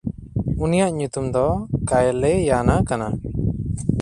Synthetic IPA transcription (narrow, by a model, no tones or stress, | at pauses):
unijaʔɲut̪umd̪ɔkajlɛjanakana